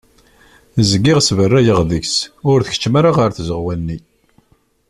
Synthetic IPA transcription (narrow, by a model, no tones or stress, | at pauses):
zəɡɪʁsvərːæjəʁðəksʊɾθə̥ç̥t͡ʃːmaɾaʁəɾθzəʁwænːi